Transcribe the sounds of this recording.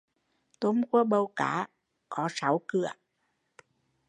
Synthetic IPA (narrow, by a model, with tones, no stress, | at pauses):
t̪o˨˦mku˧˥əɓə˨˧˩wkaː˧˩˦ | kɔ˨˦sa˨˦wkɨ˧˩˨ə